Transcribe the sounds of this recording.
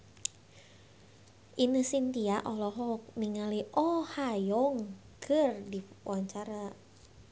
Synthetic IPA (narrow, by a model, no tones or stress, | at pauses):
ʔinəsint̪iaʔɔlɔɦɔk̚niŋaliʔɔhajɔŋ | kʰɨrdiwaɲt͡ʃaɾa